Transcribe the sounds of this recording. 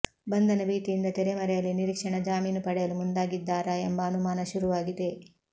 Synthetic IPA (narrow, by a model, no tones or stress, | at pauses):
bɐnd̪ʱɐnɐbiːt̪ijind̪ɐt̪ɛɾemɐɾɛjɐlːiniɾikʂɐɳɐd͡ʒaːmiːnɐpɐɽɛjɐlumund̪aːɡid̪ːaːɾɐembɐːnumaːnɐʃuɾuʋaːɡid̪e̞